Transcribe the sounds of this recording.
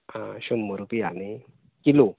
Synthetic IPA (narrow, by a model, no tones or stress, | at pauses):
aɕumːuɾupia̰ni | kilu